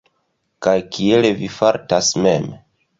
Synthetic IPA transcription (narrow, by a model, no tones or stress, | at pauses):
kajkie̞levifaɾtasmem